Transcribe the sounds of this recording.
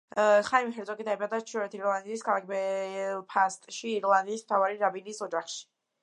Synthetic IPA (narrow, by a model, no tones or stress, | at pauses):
χaimiχɛɾt̪sʰʼɔkʼid̪aibad̪at͡ʃʰɔɾɛt̪ʰiɾlˠand̪iːskʰalˠak̚ʰbɛpʰast̪ʼʃiːɾlˠand̪iːsmt̪ʰavaɾiɾabiniːsɔd͡ʒaχʃi̥